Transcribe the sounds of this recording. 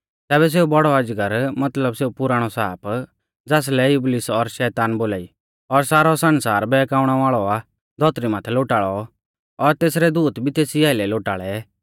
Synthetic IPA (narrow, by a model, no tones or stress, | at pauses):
t̪ɛːbɛs̬eːubɔɽɔad͡ʒɡəɾmɐt̪ləbseːupʊɾaːɽ̃ɔsaːp | d͡zaːs̬lɛjʊblɪsɔɾʃɛːt̪aːnboːlaːi | ɔɾsaːɾɔsɐnsaːɾbɛːkaːʊɽ̃aʋaːɭɔa | d̪ʱɔt̪ɾimaːt̪ʰɛloːʈaːɭɔ | ɔɾt̪eːs̬ɾɛd̪uːt̪bʱit̪eːsiaːɪlɛloːʈaːɭɛ